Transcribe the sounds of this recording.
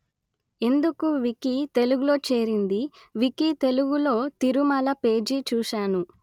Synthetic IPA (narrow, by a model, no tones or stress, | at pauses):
e̞nd̪ukuʋikit̪e̞luɡulo̞ːt͡ʃe̞ːɾind̪i | ʋikit̪e̞luɡulo̞ːt̪iɾumɐlɐpe̞ːd͡ʒit͡ʃuːʂaːnu